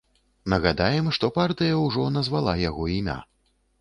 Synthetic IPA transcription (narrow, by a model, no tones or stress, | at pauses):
nɐɣad̪ajɛmʂt̪ɔpart̪ɨjɐwʐɔnɐzvalˠajaɣɔimʲa̰